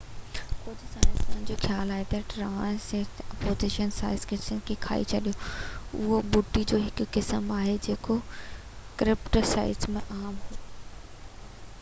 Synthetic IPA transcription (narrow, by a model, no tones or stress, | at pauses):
kʊd͡ʑʱʊsaːɪzʊnɪn̆d͡ʑoːxjaːlaːɦet̪ɐʈɾaːɽ̃sɪɾt̪ʰɐpoːzɪʃənsa̰ːɪzkɪsnkʰekʰa̰ːḭt͡ɕʰɐɗijoʊɦobʊʈːid͡ʑoːɦɪkʊːɪsəmaːɦed͡ʑeːko | kɾɪpʈəsa̰ːɪzmẽʔaːmɦuː